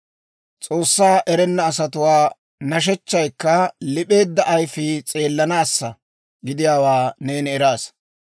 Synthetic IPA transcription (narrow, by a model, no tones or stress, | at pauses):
t͡sʼo̞ːsːaːʔɛɾɛnːɐːsɐt̪ʊwaː | nɐʃ̬ɛt͡ʃːɐjkːɐlɪpʼe̞ːd̪ːɐʔːjfɪt͡sʼe̞ːlːɐnaːsːɐ | ɡɪd̪ɪjaːwaːne̞ːnɛɾaːs